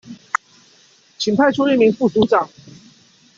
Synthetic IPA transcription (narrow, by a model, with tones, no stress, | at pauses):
t͡ɕʰi˨˩ŋpʰa˥˧ɪʈ͡ʂʰu˥li˥˩mi˧˥ŋfu˥˩su˧˥t͡sɑ˨˩ŋ